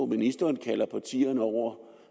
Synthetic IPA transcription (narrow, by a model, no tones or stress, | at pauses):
ominisd̥ɐːnkʰæl̰ɐpʰɑ̈t͡sʰḭːɐnəɒʊ̰ɐ